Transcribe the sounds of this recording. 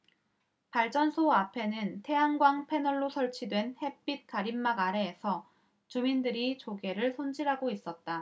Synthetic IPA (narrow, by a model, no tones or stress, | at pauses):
paɭt͡ɕ͈ʌnsʰoapʰe̞nɯntʰe̞aŋɡwaŋpʰe̞nʌɭːosʰʌɭt͡ɕʰidwe̞nhe̞p͈it̚k͈aɾimːaɡaɾe̞ːsʰʌ | t͡ɕumindɯɾit͡ɕoɡe̞ɾɯɭsʰond͡ʑiɾɦaɡois͈ʌt̚t͈a